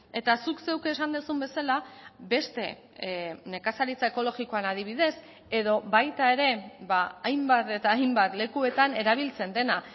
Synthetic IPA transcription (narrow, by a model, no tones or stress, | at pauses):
e̞t̪asukse̞wke̞ːsand̪usumbe̞salabe̞st̪e̞ | ne̞kasaɾit͡saeko̞lo̞ɣiko̞anaðiβ̞iðe̞s | e̞ðo̞βajt̪ae̞ɾe̞βaajmbat̪e̞t̪aːjmbat̪le̞kue̞t̪ane̞ɾaβ̞ilt͡se̞nd̪e̞na